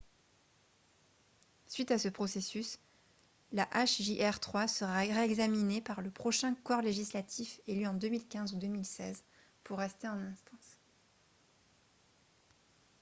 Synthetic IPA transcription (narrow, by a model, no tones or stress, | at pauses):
sɥit̪asəpχɔsesys | laʔaʃʒiʔɛʁt̪χwasəʁaʁeɛɡzaminepaʁləpχɔʃɛ̃kɔʁleʒislat̪ʰifelyɑ̃d̪ømilkʲɛ̃zud̪ømilsɛz | puʁːɛst̪eɑ̃nɛ̃st̪ɑ̃s